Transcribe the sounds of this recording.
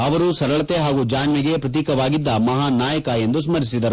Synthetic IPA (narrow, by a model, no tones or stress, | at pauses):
ɐʋɐɾusɐɾɐɭɐt̪eɦaːɡud͡ʒaːnʋiɡe̞pɾɐt̪̬iːkɐʋaːɡid̪ːɐmɐɦaːnaːjɐkɐe̞nd̪us̬mɐɾisid̪ɐɾu